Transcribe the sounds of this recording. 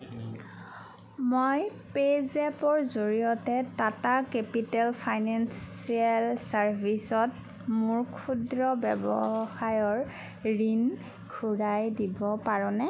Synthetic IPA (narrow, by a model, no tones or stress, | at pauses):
mojpezɛpɔɹzoɹijɔtɛtatakepitɛlpʰajnanssialsaɹbʱisɔt̚ | muɹkʰudɹɔbɛbɔxajɔɹ | ɹin | kʰuɹajdibɔpaɹɔ̃nɛ